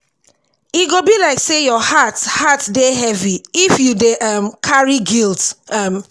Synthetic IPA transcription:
iɡobilaɪksejɔhathatdeɦɛviifjudeʔamkʰaɹiɡiltam

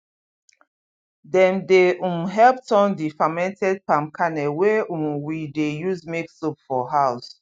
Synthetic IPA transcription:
dɛ̃ndeʔũmɦɛlp̚tɔ̃ndifamɛ̃ntʰɛd̚pãmkʰanɛweũmwidejuzmeksupfɔɦaʊs

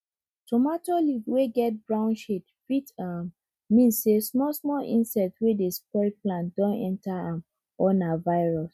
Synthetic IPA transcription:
tɔmatoliweɡɛt̚bɹãʊ̃nʃetfitam | mĩnsːesmɔsmɔlʔḭ̃nsɛtwedespɔɹiplãntd̥ɔ̃nɛ̰̃ntaãm | ɔnavaɪɹɔs

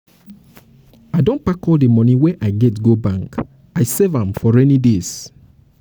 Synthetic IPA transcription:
aɪdõnpakɔldemɔnĩwɛʔaɪɡɛtɡobãŋk | aɪsevãmfɔɹɛnides

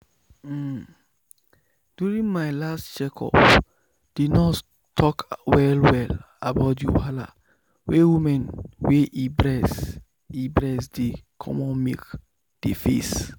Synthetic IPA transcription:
d̥juɹĩnmaɪlastt͡ʃɛkʰɔ̰p | d̥idnɔt | tʰɔkwɛlwɛl | abaʊtjuhala̰ | wewimɛ̃nweʔibɹɛs | ibɹɛsdekʰɔ̰̃mɔ̃nmḛk | d̥efḛs

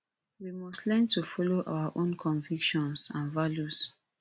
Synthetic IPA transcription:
wimɔstlɛ̃ntufɔloʔa̰waʔõnkʰɔ̃nvikʃɔ̃nsãnvaljus

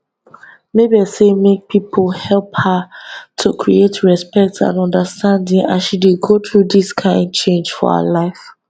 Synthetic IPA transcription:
mebiasemek̚pʰipʰlhɛlˠphatʰukʰɹḭetɹɛspɛk̚tã̰nɔ̃ndəstʰãndĩŋã̰nʃideɡot̪ɹudiskʰãɪ̃nd̚t͡ʃʰẽnd͡ʒfɔ̰ha̰laɪf

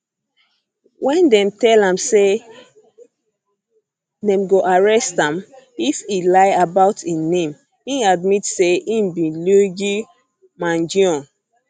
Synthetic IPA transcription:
wʔɛ̃ndɛ̃mtɛlãmse | dɛ̃mɡoʔaɹɛstãm | ifilaɪabaʊtʰĩnẽm | ĩad̚mitseĩmbĩluɡi | mãnd͡ʒiɔ̃n

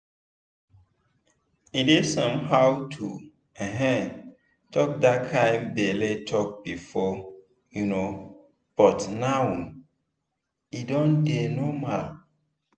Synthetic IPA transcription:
idesɔ̃mhawtʰṵ | ɛ̃ɦɛ̃ | tʰɔk̚dakʰãɪ̃mdeletʰɔk̚b̥ifɔ | juno | b̥ɔtnawũn | idɔ̃ndenɔmal

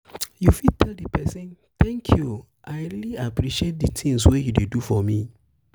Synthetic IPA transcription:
jufid̚tʰɛldipɛsĩn | tɛ̃ŋkʰju | ʔaɪɾiliapɾiʃiet̚dɨtʰĩŋswejudedufɔmĩ

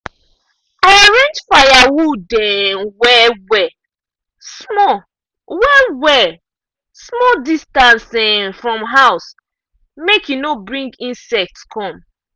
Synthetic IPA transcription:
aɹɛ̃nd͡ʒfajawudɛwɛwɛ | smɔ | wɛwɛ | smɔldistãnsɛfɹɔ̃mɦaʊs | mekjinobɹĩŋɡĩnsɛk̚tskʰɔ̃m

